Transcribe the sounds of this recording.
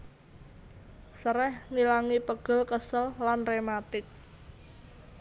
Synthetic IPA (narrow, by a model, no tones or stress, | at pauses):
səɾɛhŋilaŋipəɡ̥ə̤lkəsəlːanremat̪ɪk̚